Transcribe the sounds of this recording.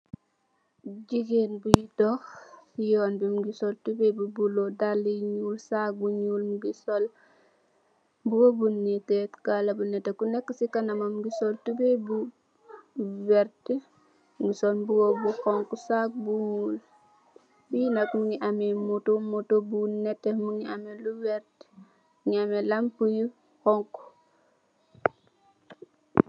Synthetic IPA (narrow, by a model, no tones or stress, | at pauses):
d͡ʒiɡenbujitɔxjɔːnbimɡisoltubebubulodalːiɲuːlsak̚buɲuːlmuɡisol | buwobunːitɛtkalabunɛtakunɛkːəsikanamamɡisoltubebu | wɛɾt | ŋɡisolbuwobuxɔŋkusak̚bumul | bijinɐkmuŋiʔamimutomutobunɛtːemuŋiamiluwɛɾt | ŋiamelɐmpuju | xɔŋku̥